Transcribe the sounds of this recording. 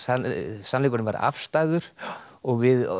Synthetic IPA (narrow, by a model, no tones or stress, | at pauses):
asanlɛːkʏnɪmvaɾ̰a̰fst̪aːjðʏɾ̥ɔɣvɪð